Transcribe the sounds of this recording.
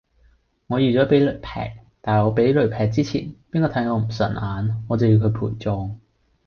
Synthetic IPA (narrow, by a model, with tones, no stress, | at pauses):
ŋɔː˨˧jyː˨t͡sɔː˨˥pe˨˥jlɵ˨˩pʰɛ̰ː˨˩k̚t̪aː˨˩hŋɔː˨˧pe˨˥jlɵ˨˩ɥpʰɛː˨k̚t͡siː˥t͡sʰḭː˨˩npiː˥nkɔː˨˧t̪ʰɐ˨˥jŋɔː˨˧m̩˨˩sœ̰˨˩nʔaː˨˧nŋɔː˨˧t͡sɐ˨wji˧wkʰɵ˨˧pʰṵː˨˩jt͡sɔː˨˧ŋ